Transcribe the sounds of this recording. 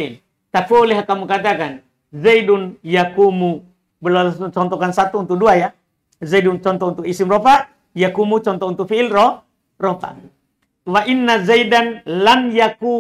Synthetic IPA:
l | t̪afulɛɦakamukat̪̬akan | zaidunjakumu | bəlat͡ʃɔnt̪ɔkansat̪uːnt̪uk̚duaja | zaidunt͡ʃɔnt̪ɔunt̪ʊkisimrɔpa | jakumut͡ʃɔnt̪ɔunt̪ʊk̚fiɪlrɔh | rɔpa̰ | waʔinːazaidanlanjaku

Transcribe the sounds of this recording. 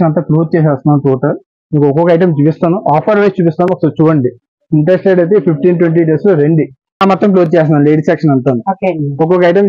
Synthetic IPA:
ɐnt̪ɐploːd͡ʒ̚t͡ʃɛːs̬aːst̪unaːnt̪uːʈɐ | miːkuɔkɔkɐɐjʈɐmt͡ʃuːpist̪aːnuʔaːpʰɐɾʋɐjst͡ʃuːpist̪aːnɐsɐlt͡ʃuːɽɐɳɖi | iɳʈɾesʈeɖɐjt̪̬epʰipʰʈiːnʈweɳʈ̬iːɖeːsloɾeɳɖi | aːmɐt̪ːɐmplod͡ʒt͡ʃɛːs̬naːnleːɖiseːkʂɐnɐɳʈ̪aːnioːkɔkɔkɐjʈɐm

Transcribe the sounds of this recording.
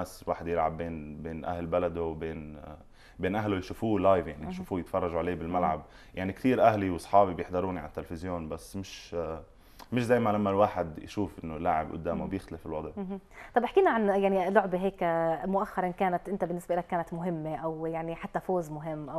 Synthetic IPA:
aswa̰ːħɪd̪jɪlʕabːeːnbeːnʔa̰hlbalad̪owbeːn | beːnʔaɦlojʃuːfuːlajvjaʕnijʃuːfuːjɪt̪fɑrˤːɑʒuʕaleːbɪlmalʕa̰b | jaʕnikt̪iːɾʔahliwsˤħɑːbibjɪħd̪ɑɾˤuːniʕa̰t̪ːɪlfɪzjoːnbasːmɪʃ | mɪʃd̪ajmalamːalwaːħɪd̪jʃuːfʔɪnːolːaʕɪbʔʊ̰d̪ːaːmobjɪxt̪alɪfɪlwɑd̪ˤʕt̪ˤɑbʔɪħkiːnaʕanjaʕnilʊʕbeɦeːkmʊʔaxːɑɾˤɪnkaːnat̪ʔɪnt̪abɪnːɪsbʔɪlakːaːnat̪mʊɦɪmːeʔawjaʕniħat̪ːafoːzmʊɦɪmːʔaw

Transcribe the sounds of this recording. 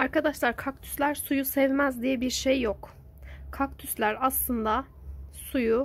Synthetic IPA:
aɾkʰad̪aʃlˠaɾkʰak̚t̪ʰy̥slʲæɾsujusɛvmæzd̪ijɛbiɾʃejːok | kʰak̚t̪ʰyslʲæɾaslˠɯnd̪asuju

